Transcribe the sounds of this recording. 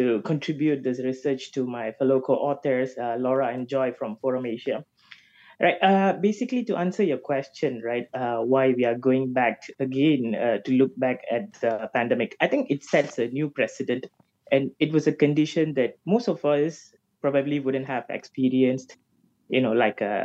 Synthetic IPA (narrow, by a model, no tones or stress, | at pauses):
tukʰɔ̃ntɹibjut̚d̪ɪsɹisət͡ʃtumaɪfɛlokʰoʔɔt̪əɹsʌlɔɹaɛ̃nd͡ʒɔɪfɹɔ̃mfɔɹə̃meʃa | ɹaɪt̚ʌbesɪklituʔãnsəjɔkʰwɛst͡ʃə̃nɹaɪt̚ʌwaɪwiaɡoɪ̃ŋbæk̚əɡẽnʌtulʊk̚bækʰɛt̚dəpæ̃ndɛmɪkaɪjt̪ɪ̃ŋkɪtsɛtsənjupɹɛsɪdə̃nt | ʔɛ̃nɪt̚wɔsəkə̃ndɪʃə̃nd̪ɛt̚mostɔfas | pɹɔbəbliwʊdə̃ntɦɛvɛ̰kspiɹiə̃nst | jṵnolaɪkʌ̰